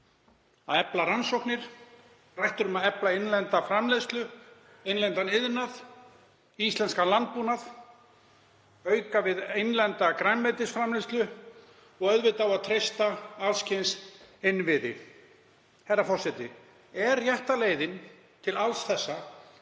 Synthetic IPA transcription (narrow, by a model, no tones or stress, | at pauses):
a̰ðɛplaɾansowhknɪɾ̥ | rajht̪ʏɾʏmaðɛplaɪnlɛnt̪afɾamlejst̪lʏ | ejnlɛnt̪anɪðnað | ist̪ɛnskanlant̪̚puːnað | œːɥkavɪðejnlɛnt̪akɾajnvɛt̪ɪsfɾamlejst̪lʏ | ɔɣœðvɪt̪awaðt̪ʰɾejst̪aalscʰejnsɪnvɪðɪ̰ | hɛjɾːafɔr̥sɛt̪ɪ | ɛɾjaht̪aleːjðɪn | t̪ʰɪlalsθɛsːa